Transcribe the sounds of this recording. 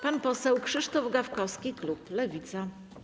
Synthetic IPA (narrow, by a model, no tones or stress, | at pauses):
panpɔsɛwkʂɘʂt̪ɔvɡafkɔfskʲikluplɛvʲit̪sa